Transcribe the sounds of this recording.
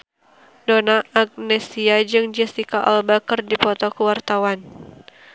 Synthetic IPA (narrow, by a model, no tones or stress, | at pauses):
donaʔaɡ̚nɛsiad͡ʒɨŋd͡ʒɛsikaʔɔ̰lbakərdipɔt̪ɔkəwart̪awan